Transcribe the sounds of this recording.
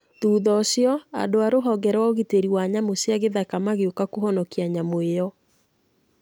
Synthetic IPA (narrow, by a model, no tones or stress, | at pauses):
ðuːðɔsjɔa̰doaɾoɦɔɡɛɾwaoɣiteɾiwaɲamosjaɣeðakamaɣeokakoɦɔnɔkiaɲamoejɔ